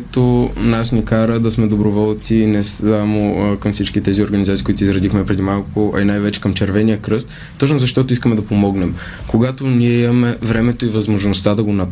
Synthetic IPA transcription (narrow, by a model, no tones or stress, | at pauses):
t̪onasnikaɾəd̪ɐsmɛd̪obɾovɔlˠt̪sinɛsamokɐmfsit͡ʃkit̪ɛzioɾɡɐnizat̪ikoit̪izɾɐd̪ixmɛpɾɛd̪imalˠkʊʔɐ̰inajvɛt͡ʃɛ̥kɐmt͡ʃɛɾvɛnijəkɾɤst̪ːɔt͡ʃnozɐʃt̪ɔt̪oʊis̬kəmɛd̪ɐpomɔɡnɛm | koɡat̪oniɛimɐmɛvɾɛmɛt̪oivɐzmoʒnost̪ad̪ɐɡonɐp